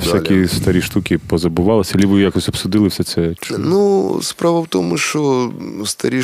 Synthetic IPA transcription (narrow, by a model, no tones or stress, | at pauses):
sʲakʲist̪ɐɾʲiʂt̪ukʲipɔzɐbʊʋalˠɐsʲɐɐlʲiʋɨjakɔsʲɐpsud̪ɨlˠɨɪwsʲɛt̪sɛt͡ʃnuspɾaʋɐwt̪ɔmʊʃt͡ʃɔst̪ɐɾʲi